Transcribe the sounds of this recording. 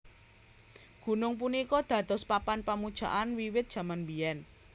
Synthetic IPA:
ɡ̥ṳnʊŋpunikɔd̪̥ä̤d̪̥ɔ̤spapanpamud̥ʒ̥a̤ʔanwiwɪt̪̚dʒ̥ä̤manbiɛn

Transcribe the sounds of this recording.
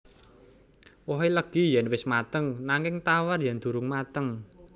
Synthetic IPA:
wɔɦeləɡ̥i̤jɛnwɪsmat̪əŋnaŋɪŋt̪awarjand̪̥ṳɾʊŋmat̪əŋ

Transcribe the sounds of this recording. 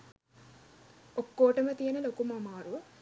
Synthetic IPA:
okːoːʈɐmɐt̪ijɐnɐlokumɐmaːɾu

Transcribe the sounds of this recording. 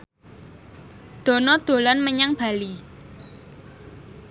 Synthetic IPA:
d̪̥o̤nɔd̪̥o̤lɔnməɲaŋb̥ä̤li

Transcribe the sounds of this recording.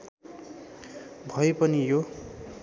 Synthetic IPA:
bʱʌepʌnijo

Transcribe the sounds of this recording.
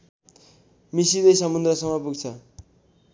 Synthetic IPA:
misiɾʌjsʌmund̪ɾʌsʌmʌpuɡt͡sʰʌ

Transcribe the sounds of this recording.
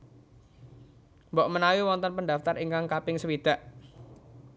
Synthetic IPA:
mbɔʔmənawiwɔnt̪ɔnpəndaft̪ariŋkaŋkapɪŋsəwid̪̥aʔ

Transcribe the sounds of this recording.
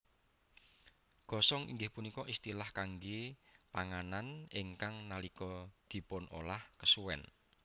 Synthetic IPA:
ɡ̥ɔ̤sɔŋḭŋɡɪhpunikɔʔist̪ilahkaŋɡepaŋananiŋkaŋnalikɔd̪̥i̤pʊnʔo̰lahkəsuwɛ̰n

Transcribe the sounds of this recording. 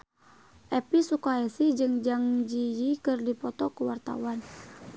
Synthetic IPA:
ʔɛpisukaɛsid͡ʒɨŋd͡ʒaŋd͡ʒijikɨrdipɔt̪ɔkuwart̪a̰wan

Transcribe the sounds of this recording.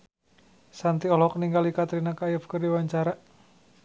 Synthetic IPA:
sant̪iɔlɔk̚niŋɡalikat̪ɾinakajəfkərdiwaɲt͡ʃaɾaʔ

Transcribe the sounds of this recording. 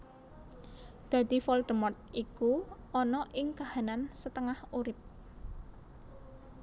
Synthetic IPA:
d̪̥ä̤d̪̥i̤fɔlɖ̪̥əmɔrt̪̚ʔikuʔɔnɔʔɪŋkahanansət̪əŋahuɾɪp̚

